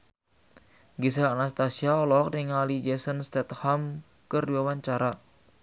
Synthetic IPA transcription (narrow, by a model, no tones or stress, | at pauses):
ɡis̬aːnast̪asiaɔlɔk̚dɛŋalid͡ʒɛsənst̪ɛt̪ham | kɨrdiwawaɲt͡ʃaɾa